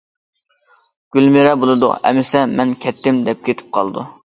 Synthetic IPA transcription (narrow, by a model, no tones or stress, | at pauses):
ɡ̥ʲylmɪɾɛbolˠɨd̪ʊ̰ɛ̰mɪsɛmɛnkʲʰɛt̪ʰːɪmd̪ɛp̚kʲʰet̪ʰɪ̥p̚qʰɑ̰lˠd̪ṵ